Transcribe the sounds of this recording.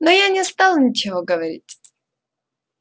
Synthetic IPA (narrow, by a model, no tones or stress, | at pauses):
nojanʲɪst̪alˠnʲɪt͡ɕɪvoɡəvɐɾʲḭtʲ